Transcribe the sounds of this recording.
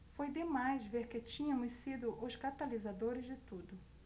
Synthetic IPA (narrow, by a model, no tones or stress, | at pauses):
fojd̪emajzveɾkɪt͡ʃĩɲɐ̃mʊssid̪ʊʔʊskat̪alizad̪oɾɪzd͡ʒɪt̪ud̪ʊ